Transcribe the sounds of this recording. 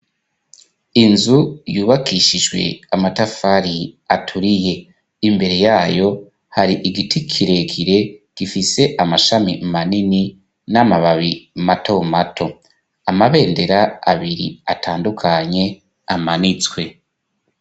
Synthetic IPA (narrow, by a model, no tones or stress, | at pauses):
inzujuːβakiʃiʒɡwe̞̰amatafaɾiatʰuɾije̞ | imbe̞ɾe̞jaːjo̞ | haɾiʔiɡitʰikʰiɾe̞kʰiɾe̞ɡ̥ifise̞ʔamaʃamimanini | namaβaβimatʰo̞matʰo̞ | amaβe̞ːnde̞ɾaa̰βiɾḭatʰaːndukʰaɲe̞ | amanit͡swe̞